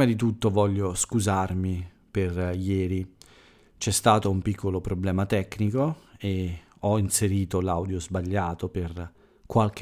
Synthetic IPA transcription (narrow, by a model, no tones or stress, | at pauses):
mad̪it̪ut̪ːovɔʎːoskuzarmi | perjɛːɾi | t͡ʃɛst̪aːt̪oumpikʰːolopɾoblɛːmat̪ɛkːnikoe | ɔinseɾiːt̪olawd̪jozbaʎːaːt̪oper | kwalk